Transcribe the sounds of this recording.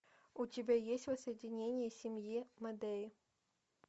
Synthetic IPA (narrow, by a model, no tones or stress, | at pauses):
ʊtʲɪbʲajesʲtʲvəsəjɪdʲɪnʲenʲɪjəsʲɪmʲjimɐd̪eɪ